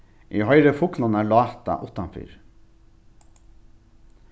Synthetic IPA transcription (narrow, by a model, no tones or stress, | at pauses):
ʔiːhœʏɾəfʊklɑnæːɭɑːt̪ɑ̰ʔʊt̪ɑnfy̰ːɾ